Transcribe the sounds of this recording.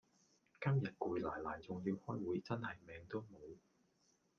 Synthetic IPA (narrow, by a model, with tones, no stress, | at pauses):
kɐ˥mjɐ˨t̚kuː˨˧jlaː˨˩jlaː˨˩jt͡sʊ˨ŋjiː˧whɔː˥jwuː˨˥jt͡sɐ˥nhɐ˨jmɛː˨˧ŋt̪o˥wmo˨˧w